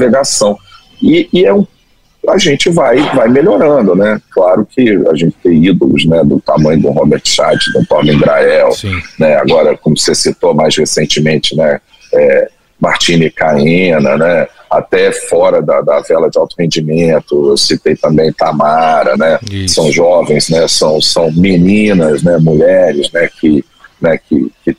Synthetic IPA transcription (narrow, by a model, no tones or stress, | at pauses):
veɡasɐ̃w̃ | ɪːɛũp | kʊaʒẽnt͡ʃɪvajvajmeʎoɾɐ̃d̪ʊnɛklaɾʊkʰɪa̰ʒẽnt͡ʃɪ̥t̪ẽj̃id̪olʊ̰znɛd̪ʊt̪amɐ̃j̃ʊd̪ʊ̰̃ɦobeɾt̪ʃad͡ʒɪzd̪ũpɔɾlĩbɾaɛwnɛa̰ɡɔɾɐkõmʊsesit̪omajshesẽnt͡ʃɪmẽt͡ʃɪnɛ | ɛ | maɾt͡ʃĩnɪkaĩnɐnɛa̰t̪ɛfɔɾɐd̪ɐd̪ɐvɛlɐd͡ʒɪawt̪ʊhẽd͡ʒimẽnt̪ʊewsit̪ejt̪ɐ̃mbẽj̃t̪amaɾɐnɛsɐ̃w̃ʒɔvẽj̃znɛsɐ̃w̃sɐ̃w̃minĩnɐznɛmuʎɛɾɪznɛkɪ | nɛkɪkɪ